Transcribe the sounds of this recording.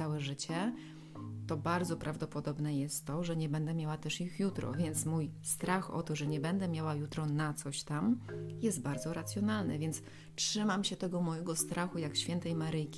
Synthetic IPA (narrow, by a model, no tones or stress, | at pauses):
awɛʐɘt͡ɕɛ | t̪ɔbaɾd̪zɔpɾʔavd̪ɔpɔd̪ɔbnɛjɛst̪ːɔʐɛɲɛbɛnd̪ɛmʲjawat̪ɛʂixjut̪ɾɔ̰vʲjɛnt̪smujst̪ɾaxɔ̰t̪ɔʐɛɲɛbɛnd̪ɛmʲjawajut̪ɾɔnat̪sɔɕt̪amjɛst̪̚baɾd̪zɔɾat̪sʲjɔnalnɛ̰vʲjɛnt̪s | tʂɘmamɕɛt̪ɛɡɔmɔjɛɡɔst̪ɾaxujakɕfʲɛnt̪ɛjmaɾɘjkʲi